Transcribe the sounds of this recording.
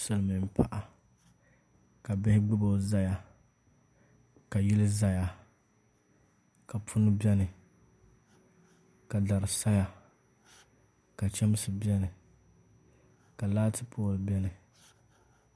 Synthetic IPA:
sɨ˨lmɨ˨m˦˨pʰa̰˦ʔa˨ | ka˨bɪ˦hɪ˦ɡ͡bɨ˦bo˦˨za˦ja˨ | ka˨ji˦lɨ˦za˦ja˨ | ka˨pʰʊ˦nɨ˦bɛ˦nɨ˨ | ka˨da˨ɾɨ˨sa˦ja˦ | ka˨t͡ʃɛ˦m˦sɨ˨bi˦ɛ˦nɨ˨ | ka˨laː˦tɨ˦pʰoː˦lɨ˨bɛ˦nɨ˨

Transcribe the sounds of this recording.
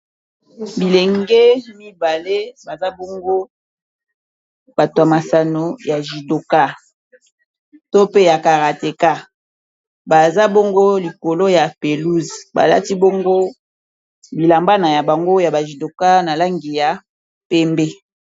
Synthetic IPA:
bi˨le˨ŋɡe˦mi˦ba˨le˦ba˨za˦bo˦ŋɡo˦ | b̥a˨twa˨ma˨sa˨no˨ja˨ʒi˨do˨ka˦ | to˦pe˦ja˨ka˨ʁa˨te˨ka˦ | ba˨za˦bo˦ŋɡo˦li˨ko˨lo˦ja˨pe˨lu˦zba̰˨la̰˦ti˦bo˦ŋɡo˦ | bi˨la˨mba˦na˨ja˨ba˨ŋɡo˦ja˨ba˨ʒi˨do˨ka˦na˨la˦ŋɡi˨ja˨ | pɛ˦mbɛ˦

